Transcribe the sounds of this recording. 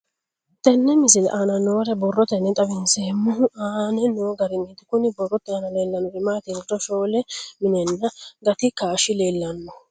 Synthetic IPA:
t̪ɛnːɛmɪsɪlʔaːnɐnoːɾɛbɔrːɔt̪ɛnːɛt̪ʼɐbɪnseːmːʊaːnɛnoːɡɐɾɪnːɛt̪ɪkʊnɪbɔrːɔt̪ːɪaːnɐle̞ːlːɐnɔɪmaːt̪ɪnd͡ʒɔʃo̞ːlɛmɪnɛnːɐɡɐt̪ɪkaːʃɪle̞ːlːɐnːɔ

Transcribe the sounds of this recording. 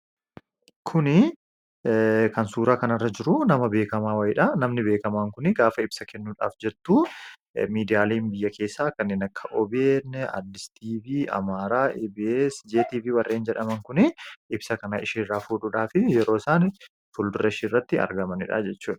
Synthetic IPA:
kʰʊnɪ | kɐnsuːɾaːkɐnɐrːɐd͡ʒɪɾʊnɐmɐbe̞ːkɐmaːwɐjɪᶑɐnɐmnɪbeːkɐmaːŋkʊnɪɡaːfɐɪbsɐkʰɛnːuːᶑa̰ːfd͡ʒɛt̪ːuː | miːd̪ɪjaːleːmbɪjːɐkʰe̞ːsːaːkɐnːeːnɐkʰːɐʔɔbeːnːɛa̰d̪lɪst̪iːviːɐ̰maːɾaːʔɛbeːsd͡ʒeːt̪iːfɪwɐrːeːnd͡ʒɛᶑɐmɐŋkʊnɪʔɪbsɐkɐnaʔɪʃiːrːaːfuːᶑʊᶑaːfɪjɛɾoːɪsaːnɪ | fʊld̪ʊrɐʃiːrːɐt̪ːɪɐ̰ɾɡɐmɐnɪᶑɐ̰d͡ʒɛt͡ʃːuːᶑɐ̥

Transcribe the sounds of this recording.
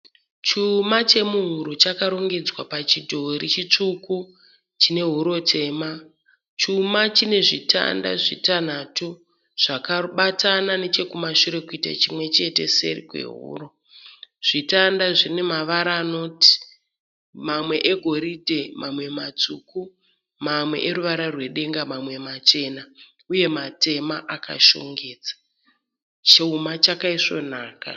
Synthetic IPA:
t͡ʃumat͡ʃe̞muɦuɾut͡ʃakaɾo̞ŋɡe̞d͡zwapat͡ʃidʱoɾit͡ʃit͡ʂuku | t͡ʃine̞ɦuɾo̞tʰe̞ːma | t͡ʃumat͡ʃine̞ʐitʰa̰nda̰ʐitan̤atu | ʐ̥akaɓatʰanane̞t͡ʃe̞kumaʃuɾe̞kuita̰t͡ʃimwe̞t͡ʃe̞te̞̰se̞̰rḭkwḛɦṵːro̞ | ʐ̥itandaʐine̞maʋaɾaːno̞ti̥ | mamwe̞ʔeɡʱo̞ɾidʱe̞mʔamwe̞mat͡suku | mamwe̞̰ʔeɾuʋaɾarwe̞ɗe̞ŋɡamamwe̞mat͡ʃe̞na | uje̞mate̞maʔaka̰ʃo̰ŋɡeːt͡sḁ | t͡ʃeumat͡ʃakaiʂo̞̰naːka̰

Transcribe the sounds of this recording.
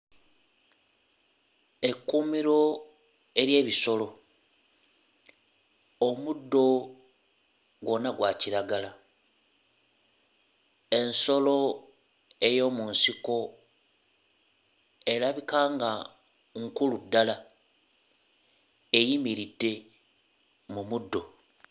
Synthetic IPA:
e̞kːumiɾo̞ | e̞ɾje̞ːβiso̞lo̞ | omudːo̞ | ɡwo̞naɡwaciɾaɡala | e̞nso̞lo̞ | e̞jo̞munsiko̞ | e̞ɾaβikaːŋɡa | ŋkuludːala | ejimiɾidːe̞ | mumudːo̞

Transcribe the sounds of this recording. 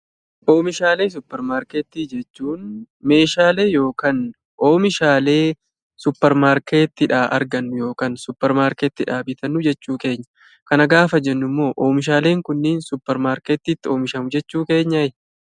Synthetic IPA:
ʔo̞ːmɪʃaːle̞ːs̬ʊpːɛɾmaːɾkeːt̪ːiːd͡ʒɛt͡ʃːuːn | me̞ːʃaːle̞ːjo̞ːkaːn | ʔo̞ːmɪʃaːle̞ː | sʊpːɛɾmaːɾke̞ːt̪ːɪᶑaːʔɐ̰ɾɡɐnːʊjo̞ːkaːnsʊpːɛɾmaːɾkeːt̪ːɪᶑaːbɪt̪ɐnːʊd͡ʒɛt͡ʃːuːke̞ːɲːɐ̥ | kɐnɐɡaːfɐd͡ʒɛnːʊmːo̞ːʔoːmɪʃ̬aːle̞ːŋkʊnːɪnsʊpːɛɾmaːɾkeːt̪ːiːt̪ːɪo̞ːmɪʃɐmʊd͡ʒɛt͡ʃːuːke̞ːɲːɐɪ

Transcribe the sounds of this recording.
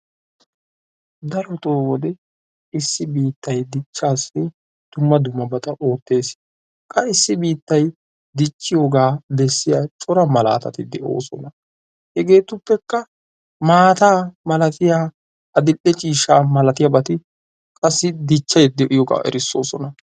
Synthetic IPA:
d̪ɐɾɔt̪oːwɔd̪ɛ | ɪsːɪbiːt̪ːɐjd̪ɪt͡ʃːaːsːɪ | d̪̥ʊmːɐd̪ʊmːɐbɐt̪ʼɐʔo̞ːt̪ːe̞ːs | kʼɐɪsːɪbiːt̪ːɐj | d̪ɪt͡ʃːɪjoɡaːd̪ɛsːɪjat͡ʃʼɔɾɐmɐla̰ːt̪ɐ̰t̪ɪd̪ɛo̞̰ːsɔnɐ | hɛɡe̞ːt̪ʊpːɛkːɐ | maːt̪aːmɐlɐt̪ɪjaː | ɐd̪ɪlːɛt͡ʃʼiːʃaːmɐlɐt̪ɪjɐbɐt̪ɪ | kʼɐsːɪd̪ɪt͡ʃːɐjɛd̪ɪʔɪjɔɡa̰ʔɛ̰ɾɪsːo̞̰ːsɔnɐ

